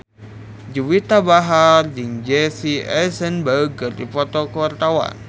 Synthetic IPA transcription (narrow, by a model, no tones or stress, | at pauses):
d͡ʒuwit̪abaɦard͡ʒɨŋd͡ʒesiɛsənbaɡərdifɔt̪ɔkəwart̪awa̰n